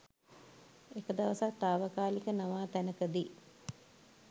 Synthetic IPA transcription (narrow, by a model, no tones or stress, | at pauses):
ekəd̪aʋəsak̚t̪aːʋəkaːlikənaʋaːt̪ænəkəd̪i